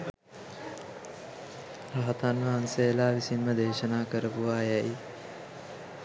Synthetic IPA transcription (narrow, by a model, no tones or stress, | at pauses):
ɾaɦat̪anʋəɦansejəlaːʋisinməd̪eːʃənaːkəɾəpuʋajɛj